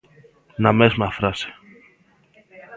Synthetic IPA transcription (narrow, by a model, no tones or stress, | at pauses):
nɐmesmɐfɾɐse̥